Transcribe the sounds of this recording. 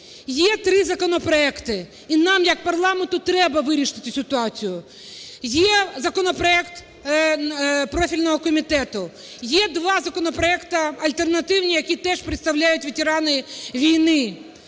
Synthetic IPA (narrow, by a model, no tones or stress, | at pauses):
jɛt̪ɾɪzɐkɔnɔpɾɔɛkt̪ɪ | inɑmjɐk̚pɐrlˠɑment̪ʊt̪ɾɛbɐʋɪɾʲiʃɪt̪ɪsʲɪt̪ʊɑt͡sʲijʊ | jɛzɐkɔnɔpɾɔɛkt̪ | pɾɔfʲilʲnɔɦɔkɔmʲit̪ɛt̪ʊ | jɛd̪ʋɑzɐkɔnɔpɾɔɛkt̪ɐɐlʲt̪ernɐt̪ɪwnʲijɐkʲit̪ɛʃpɾɪt̪st̪ɐwlʲajʊtʲʋʲitʲɪɾɑnɪʋʲijnɪ